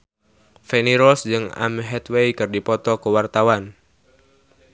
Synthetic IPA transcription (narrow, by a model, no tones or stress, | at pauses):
fɛniɾɔsd͡ʒɨŋa̰mɦɛt̪wejkɨrdipɔt̪ɔkəwart̪awan